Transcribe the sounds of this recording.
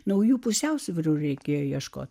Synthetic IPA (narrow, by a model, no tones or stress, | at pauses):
nɐʊjuːpʊsʲɛʊsʲʋʲɪɾuːɾʲɛɪkʲeːjoːjiɛʃko̰ːt̪ʲ